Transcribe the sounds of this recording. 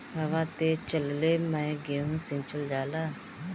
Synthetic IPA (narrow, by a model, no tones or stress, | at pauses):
ɦaʋaːt̪eːt͡ʃəlleːmɛ̃ːɡeːũːsɪ̃nt͡ʃəld͡ʒaːlaː